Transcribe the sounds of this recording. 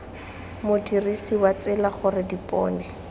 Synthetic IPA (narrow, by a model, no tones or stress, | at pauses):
mʊdirisiwat͡sɪlaχʊrɪdipʼɔ̰ːnɛ